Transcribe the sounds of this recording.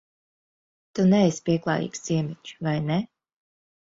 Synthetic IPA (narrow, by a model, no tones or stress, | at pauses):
t̪unɛɛspʲiɛklˠa̰ːjḭːksz̥iɛmʲɛt͡ʃvajnɛ